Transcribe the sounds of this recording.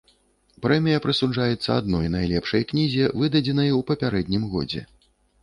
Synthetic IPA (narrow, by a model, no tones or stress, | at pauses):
pɾɛmʲijɐpɾɨsud͡ʐajɛt̪sːɐ̰ad̪̚nɔjnajlʲɛpʂɐjknʲizʲɛvɨd̪ɐd͡zʲɛnɐjwpɐpʲaɾɛd̪ʲnʲimɣɔ̰d͡zʲɛ̰